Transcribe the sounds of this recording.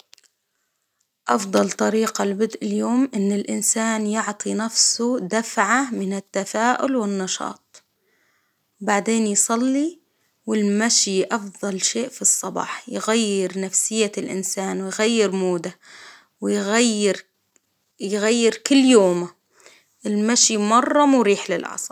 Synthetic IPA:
ʔɑfd̪ˤɑlt̪ˤɑɾiːqalbʊd̪ʔɪljoːmʔɪnːɪlʔɪnsaːnjɪʕt̪ˤinafsʊd̪afʕamɪnɪt̪ːafaːʔʊ̰lwɪnːɑʃɑ̰ːt̪̚ˤ | wbaʕd̪eːnjsˤɑlːi | wɪlmaʃiʔɑfðˤɑlʃeːʔfisˤːɑbɑ̰ːħjɪɣajːɪɾnafsɪjːalʔɪ̰nsaːnwɪjɣajːɪɾmuːd̪a | wɪjɣajːɪɾ | jɣajːɪɾkʊlːjoːma | ʔɪlmaʃimɑrˤːɑmwɾiːħlɪlʔɑ̰sˤɑ

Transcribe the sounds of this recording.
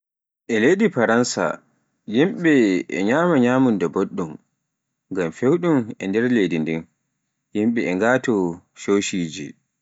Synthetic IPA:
ʔɛlejdifaɾansa̰ | jimɓɛʔɛ̰ɲaːmaɲaːmundɛboɗːum | ɡamfewɗumɛ̰ndɛɾledindin | jimɓɛɛŋɡaːtɔ | ʃoʃiːd͡ʒḭ

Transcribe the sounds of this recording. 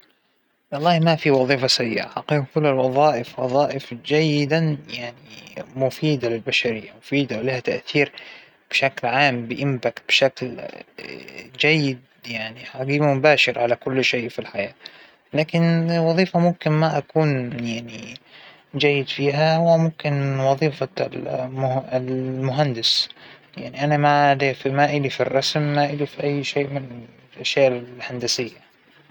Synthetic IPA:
wɑlˤːɑːhmafiwɑðˤiːfasajːɪ̰ʔa̰ħaqiːqkʊlːalwɑðˤɑːʔɪfwɑðˤɑːʔɪfd͡ʒajːɪd̪ajaʕnimʊfiːd̪alɪlbaʃaɾɪjːamʊfiːd̪alɪhat̪aʔθiːɾ | b̥ɪʃaklʕaːmbɪʔɪmbakb̥ɪʃakl | d͡ʒajːɪd̪̚ | jaʕniħaɡiːmmʊbaːʃɪɾʕalakʊlːʃeːfilħajaː | laːkɪnwɑðˤiːfamʊmkɪnmaʔakuːnjaʕni | d͡ʒajːɪd̪fiːɦahʊwːamʊmkɪnwɑðˤiːfamlmʊɦand̪ɪsjaʕniʔanamad̪efimaʔɪlifirˤːɑsmːaʔɪlifiʔajːʃeːʔmɪnɪ | ʔaʃjaːʔɪlhand̪asɪjːa

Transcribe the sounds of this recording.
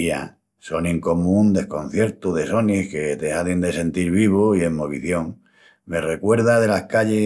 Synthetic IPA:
a̰ | so̞nĩŋko̞mũnd̪e̞hkõ̞n̟θje̞ɾt̪uðe̞so̞nihke̞t̪ehaðind̪e̞se̞nt̪iɾβ̞iβ̞oiemoβḭθjo̞ŋ | me̞re̞kwe̞ɾðaðe̞lahkaʎe

